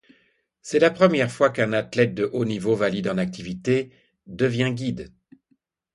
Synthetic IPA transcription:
sɛlapχəmjɛʁfwakɛ̃nat̪lɛt̪̚d̪əʔonivovalid̪ɑ̃nak̚t̪ivit̪e | d̪əvjɛ̃ɡʲid̪

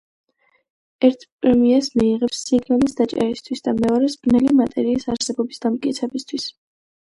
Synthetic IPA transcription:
ɛɾt̪ʰpʼɾɛmiasmiːʁɛpsːiɡnalisd̪at͡ʃʼa̰ɾist̪ʰwisd̪amɛɔɾɛsb̥ɾnɛlimat̪ʼɛɾiːsaɾsɛbɔbisd̪amkʼit̪sʰɛbist̪ʰwis

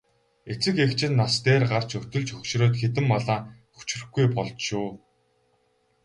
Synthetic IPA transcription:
et͡sɘ̆kekt͡ɕʰɪ̆nːast̪eːrɢar̥t͡ɕɵt̪ɵ̆ɮt͡ɕxɵkʃroːt̪xet̪̬ɘ̆mːɔɮaː | xu̥t͡ɕ̆rɵ̆xɡujpɔɮt͡ɕ̪ʃʊː

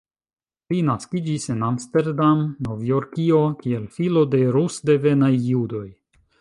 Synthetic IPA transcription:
linaskid͡ʒisenamste̞ɾdamno̞vjo̞ɾkio̞kielfilo̞de̞ɾusde̞ve̞najːudo̞j

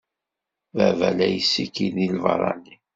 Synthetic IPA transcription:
vævælæjsːikinilvɑ̰ɾˤɑ̰ni

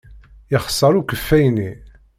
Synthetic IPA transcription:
jəχə̥sˤːəɾukəfːæjni

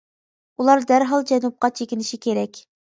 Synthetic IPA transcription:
ulˠɑɾd̪æɾɦɑlˠd͡ʒɛnup̚qɑt͡ʃʰekʲinɪʃikʲʰeɾɛkʲ

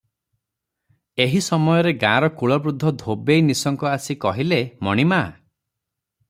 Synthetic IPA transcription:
eɦisɔmɔjɔɾeɡãɾɔkuɭɔbɾud̪ʱːɔd̪ʱobejnisɔŋkɔasikɔɦilemɔɽ̃ima

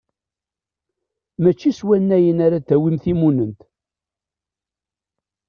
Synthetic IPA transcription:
mæt͡ʃːiswænːæjənaɾat̪ːæwimθimunənt̪

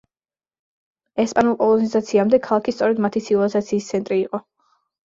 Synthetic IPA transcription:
ɛspʼanulˠkʼɔlˠɔnizat̪sʰiamd̪ɛkʰalˠakʰist̪sʼɔɾɛd̪mat̪ʰisʰivalizat̪sʰiːst̪sʰɛnt̪ʼɾiːqʼɔ

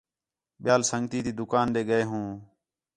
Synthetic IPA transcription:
ɓɪjaːlsəŋɡt̪iːt̪iːd̪ʊkaːnɗ̪eːɡəeːɦũː

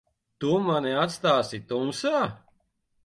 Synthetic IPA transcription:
t̪umaniat̪st̪aːsit̪umsaː

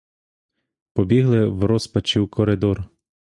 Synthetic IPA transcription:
pɔbʲiɦlˠɪwɾɔspɐt͡ʃiwkʰɔɾɪd̪ɔr

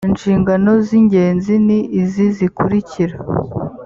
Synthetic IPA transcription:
inʃiːŋɡano̞ziɲɟe̞ːnziniːzizikuɾiciɾa

